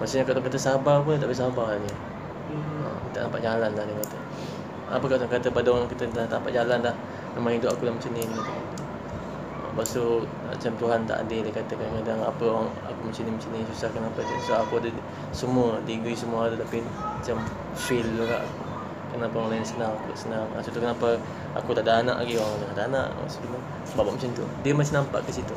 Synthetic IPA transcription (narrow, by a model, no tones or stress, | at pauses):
masuʔɲakaʔdaʔkat̪əsabapundit̪aʔbesabaaɲə | ə̰dit̪aʔt̪ampaʔd͡ʒalanlahdekat̪ə | a̰pəkaʔt̪aŋkat̪əpadaaŋkit̪ət̪t̪ampaʔd͡ʒalanlah | mamaŋɦidʊpakulamət͡ʃənidimat̪uɦan | ə̰basə | na̰t͡ʃamt̪uɦant̪a̰ʔa̰dədekat̪əkakadaŋapəaŋ | a̰kumat͡ʃənimat͡ʃənisusahkənapət̪susaɦakudə | səmuədiɡisəmuaad̪ut̪api | mat͡ʃam | filːuɡa̰ʔu | kənapəŋolajənsənaŋakuaʔsənaŋa̰sut̪ukənapə | a̰kut̪aʔdaʔana̰ʔaɡiaŋdaŋadaana̰ʔa̰sut̪umu | babaʔmat͡ʃant̪ṵdiəmat͡ʃamnampa̰ʔkəsit̪u